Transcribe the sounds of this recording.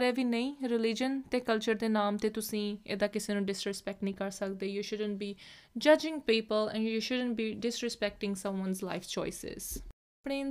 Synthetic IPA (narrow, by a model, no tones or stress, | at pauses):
ɾɛːʋiːnə̃ĩːɾɪlɪd͡ʒənt̪eːkəlt͡ʃəɾd̪eːnaːmt̪eːt̪ʊsĩːḛːd̪aːkɪseːnũːɖɪsɾɪspɛk̚ʈnĩːkəɾsək̚d̪eːjuːʃʊɖə̃ɳʈ̚biːd͡ʒəd͡ʒɪ̃ŋɡpiːpəlɛ̰̃ɳjuːʃʊɖə̃ɳʈ̚biːɖɪsɾɪspɛk̚ʈɪ̃ŋɡsə̃mwə̃nzla̰ɪft͡ʃɔ̰ːɪsɪ̰z̥ | pɽeːn